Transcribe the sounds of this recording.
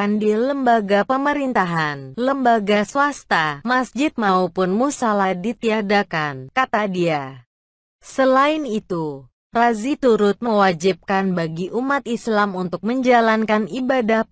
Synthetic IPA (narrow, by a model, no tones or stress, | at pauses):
kandiləmbaɡapəməɾint̪aɦanləmbaɡasuast̪amasd͡ʒɪt̪̚maupʊnmusaladit̪iadakankat̪adia | səlaɪnit̪u | razit̪uɾʊt̪̚məwad͡ʒip̚kanbaɡiʔumat̪islamunt̪ʊk̚məɲd͡ʒalankanibadah